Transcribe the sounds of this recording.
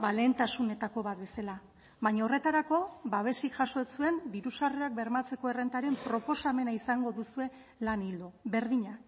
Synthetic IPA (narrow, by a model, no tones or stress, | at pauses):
bale̞nt̪asune̞t̪ako̞βat̪̚be̞sala | βaɲao̞re̞t̪aɾako̞baβ̞e̞sikʝaso̞esue̞nd̪iɾusareak̚be̞ɾmat͡se̞ko̞e̞re̞nt̪aɾe̞mpɾo̞po̞same̞naisaŋɡo̞ðusue̞ | lanild̪oβe̞ɾðiɲa